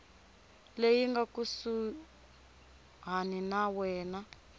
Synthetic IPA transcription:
lejiŋɡakusu | ɦaninawɛːna

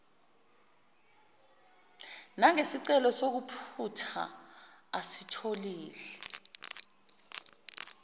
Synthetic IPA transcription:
naŋesiǀɛlɔsok̬upʰutʰa̰ | asitʰoliːlɛ

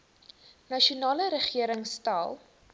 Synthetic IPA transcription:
nɐʃunɑːləɾəχiəɾəŋstɑlˠ

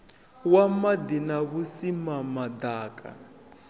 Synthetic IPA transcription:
wamad̪inaβusimamad̪aːkʼa̰

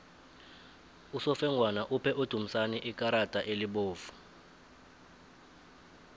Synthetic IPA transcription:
usɔfɛŋʱwanaʔupʰɛʔod̥ʱum̩saniʔikʼaɾad̥ʼʱaʔeliɓoːv̥u̥

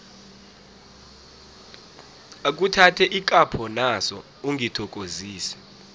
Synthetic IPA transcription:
ak̬utʰatʰɛʔik̬ʼapʰɔnasɔ | uŋʱitʰɔk̬ʼoziːsɛ̥

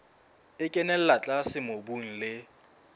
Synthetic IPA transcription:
ɪkʼɛnɛl̩lat͡ɬʼasɪmobuŋ̩lɪ

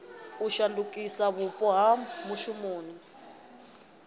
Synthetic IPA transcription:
uʃandukʼisaβupʼɔɦamuʃumoːni

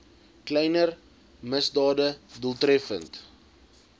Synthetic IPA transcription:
klɛjnər | məsdɑːdəduəlˠtrɛfə̰nt

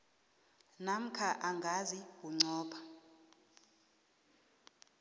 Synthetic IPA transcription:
nam̩kʰaʔaŋɡʱaziwuŋ͡ǀɔːɓʰa

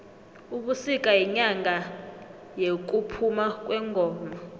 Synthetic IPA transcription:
uɓusik̬ʼajiɲaŋɡa | jek̬upʰumak̬ʼwɛŋɡʱɔːma

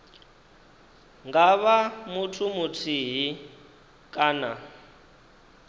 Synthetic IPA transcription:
ŋɡaβamutʰumutʰiɦi | kʼaːna

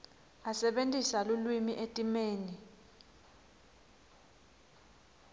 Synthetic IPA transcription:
asɛɓentʼisalulwimiʔetʼimeːni

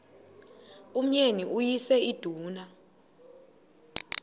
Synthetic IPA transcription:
um̩ɲeniujisɛid̥ʱuːna

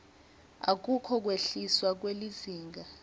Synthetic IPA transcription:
ak̬ukʰɔk̬ʼweɬiswak̬weliziːŋɡa

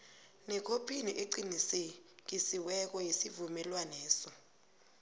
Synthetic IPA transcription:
nɛkʰopʰiniʔeǀinisɛk̬isiwɛk̬ɔjisivumɛlwanɛːsɔ

